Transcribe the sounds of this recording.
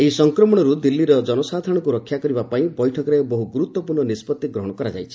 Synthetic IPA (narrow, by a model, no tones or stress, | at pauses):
eisɔŋkɾɔmɔɽ̃ɔɾud̪ilːiɾɔd͡ʒɔnɔsad̪ʱɔɽ̃ɔkuɾɔkʰjakɔɾibapaĩbɔjʈʰɔkɔɾebɔɦuɡuɾut̪wɔpuɾɳɔnispɔt̪ːiɡɾɔɦɔɽ̃ɔkɔɾad͡ʒa̰jt͡ʃʰi̥